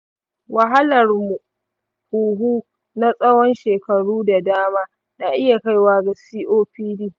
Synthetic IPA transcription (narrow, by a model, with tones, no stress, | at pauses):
wɐ˨ɦa˦lɐ˨rmu˨ | kuː˨ɦuː˦ | na˦sʼɐ˦wɔ˦nʃeː˨kɐ˨ɽuː˦da˨daː˦maː˦ | na˨ʔɪ˦ja˨ka˦jwaː˦ɡa˨siː˦ʔoː˦piː˦diː˦˨